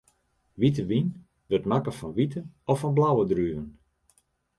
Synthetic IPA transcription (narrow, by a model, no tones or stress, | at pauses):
ʋit̬əʋin | ʋətmakəfɔnʋitəɔfɔnblawədryvən